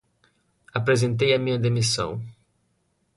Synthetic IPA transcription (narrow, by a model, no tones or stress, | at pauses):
apɾezẽnt̪̬ejɐmĩɲɐd̪emisɐ̰̃w̃